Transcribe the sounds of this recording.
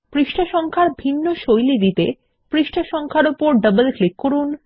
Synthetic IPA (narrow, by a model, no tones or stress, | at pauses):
pɾiʃʈʰaʃɔŋkʰaɾbʱinːoʃojlid̪it̪e | pɾiʃʈʰaʃɔŋkʰaɾopoɾɖəbəlklikːoɾun